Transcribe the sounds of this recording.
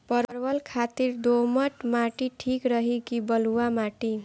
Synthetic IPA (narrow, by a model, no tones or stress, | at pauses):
pʌɾɾbʌlkʰat̪iɾd̪omʌʈmaʈiʈʰikɾʌɦikibʌluwamaʈi